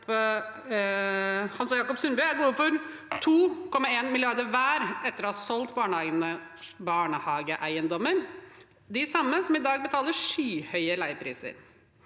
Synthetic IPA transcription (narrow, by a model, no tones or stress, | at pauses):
hɑnsɔjɑːkɔpsʉnbœæɡoːfɔɾ | t̪ʰuːkʰɔmːɑeːnmɪlɪɑɾd̪əɾʋæːɾʔɛt̪ːəɾɔhɑsɔlt̪bɑːɳəæɪnə | bɑːɳəhɑːɡəʔæɪənd̪ɔmːəɾ | d̪ɪsɑmːəsɔmɪd̪ɑːɡbət̪ʰɑːləʂyːhœʏəlæɪpʰɾḭːsə̰ɾ